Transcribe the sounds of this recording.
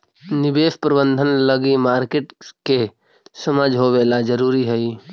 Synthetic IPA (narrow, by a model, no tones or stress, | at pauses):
nɪbeːspɾəbə̃nd̪ʱənləɡimaːɾkeʈke | səmad͡ʒɦoʋeːlad͡ʒəɾuːɾiɦəi